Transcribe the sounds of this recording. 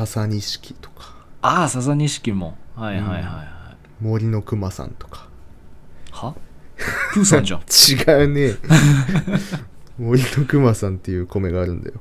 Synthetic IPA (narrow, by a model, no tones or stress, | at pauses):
sasaɲ̟iɕi̥kʲi̥t̪o̥kʰḁasas̬aɲ̟iɕi̥kʲimohaihaihaihai | mo̞ɾʲino̞kɯ̟masã̰nt̪o̞̥kʰḁ | ha | pɯsãnat͡ɕiɡaɯ̟ne | mo̞ɾʲino̞kɯ̟masãnt̪ːe̞jɯ̟ːko̞me̞ɡaːɾɯ̟̃nd̪a̰jo̞